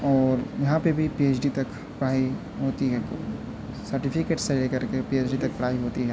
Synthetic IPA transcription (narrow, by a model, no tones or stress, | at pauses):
ɔːɾjɐɦãpebʱipieːt͡ʃɖit̪ɐk | pɐɽ̤aːi | ɦoːt̪iɦɛko̰ | sɐɾʈipʰɪkeːʈselekɐɾkepieːt͡ʃɖit̪ɐk̚pɐɽ̤aːiɦoːt̪iɦɛː